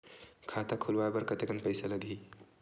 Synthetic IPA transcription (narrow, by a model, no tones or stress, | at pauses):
kʰat̪akʰulwajbəɾkət̪ekənpəjsaləɡʱi